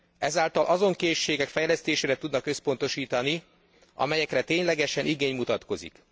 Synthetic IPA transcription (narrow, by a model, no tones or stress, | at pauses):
ɛzaːlt̪ɒlʔɒzo̞ŋkeːʃːeːɡɛkfɛjlɛst̪eːʃeːɾɛt̪ud̪nɒkø̞spo̞nt̪o̞ʃiːt̪ɒni | ɒ̰mɛjɛkrɛt̪eːɲlɛɡɛʃɛnʔiɡeːɲmut̪ɒt̪ko̞zḭk